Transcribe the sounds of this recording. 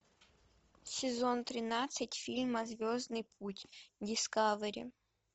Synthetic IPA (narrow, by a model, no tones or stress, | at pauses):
sʲɪzont̪ɾʲɪnat̪sɨtʲfʲilʲmɐzvʲoznɨjpʰutʲdʲɪskavɨɾʲɪ̰